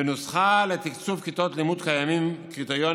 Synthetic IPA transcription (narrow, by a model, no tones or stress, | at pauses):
enusχalet̪ikt͡sufkit̪ot̪limud̪kajamimkit̪ojo